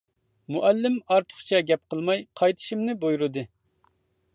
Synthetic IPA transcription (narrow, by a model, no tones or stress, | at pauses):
muʔælːɪmɑɾt̪ʰə̥χt͡ʃʰɛɡʲɛp̚qʰəlˠmɑjqʰɑjt̪ʰɨ̥ʃimnɪbojɾud̪ɨ